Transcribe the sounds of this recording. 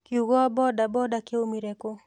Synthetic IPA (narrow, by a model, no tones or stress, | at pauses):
kiuɡɔabɔdabɔdakeomiɾɛko